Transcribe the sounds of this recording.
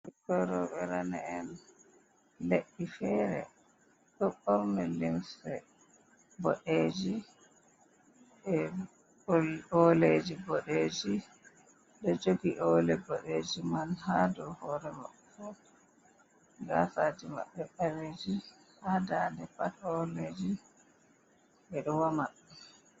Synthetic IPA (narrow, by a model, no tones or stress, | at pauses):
ikɔɾɔɓɛɾana̰ɛn | leɗːifɛːɾɛ̰ | ɗɔɓɔɾnɛlimsɛ | bɔɗeːd͡ʒi | ɛ | lɔled͡ʒibɔɗeːd͡ʒi | ɗɔd͡ʒoɡiʔɔlɛbɔɗeːd͡ʒimanhadɔhɔɾɛma̰ɓɛfɔ | ɡa̰sad͡ʒima̰ɓːɛɓɛɾed͡ʒi | hadaːndɛpatɔled͡ʒi | bɛɗɔwamaɗːɛ